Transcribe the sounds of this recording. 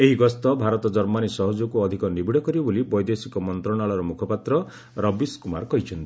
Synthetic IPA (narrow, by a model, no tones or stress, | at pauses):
eɦiɡɔst̪ɔbʱaɾɔt̪ɔd͡ʒɔɾmanisɔɦɔd͡ʒukuɔd̪ʱikɔnibiɽɔkɔɾibɔbolibɔjd̪esikɔmɔnt̪ɾɔɽaɭɔɾɔmukʰɔpat̪ɾɔ | ɾɔbiskuma̰ɾkɔɦit͡ʃʰɔnt̪i̥